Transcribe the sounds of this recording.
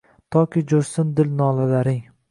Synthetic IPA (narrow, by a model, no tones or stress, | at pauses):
t̪ʰɒkʲʰid͡ʒoɾst̪ɪnd̪ɪlnɒːlalaɾɪŋ